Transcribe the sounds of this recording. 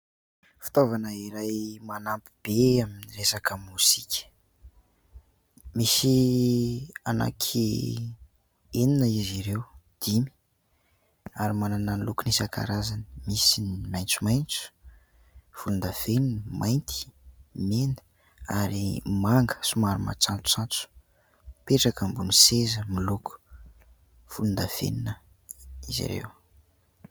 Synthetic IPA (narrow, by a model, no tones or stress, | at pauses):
fi̥t̪ovanəiɾajmanampi̥b̥eaminiresakəmuzikʲʰə̥ | misi | ana̰kʰi | eninəiziɾewd̪̥imi̥ | aɾimanananlukunisakʰa̰ɾazani̥misinimajnt͡sumajnt͡su̥ | v̥ulund̪av̥eninəmʔajnt̪ʰi̥menə̥ | aɾimaŋɡə̥sumaɾuma̰t͡sant͡su̥t͡sant͡su̥ | peʈ͡ʂakəmbunisezəmiluku̥ | v̥ulund̪av̥ḛninə | izḭɾḛw